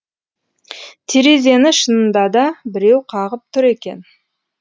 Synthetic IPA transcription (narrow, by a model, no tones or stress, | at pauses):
t̪ʰeɾeze̞nɪʃənənd̪ɑd̪ɑbɪɾe̞wqʰɑʁəp̚t̪ʰʊɾe̞kʲe̞̰n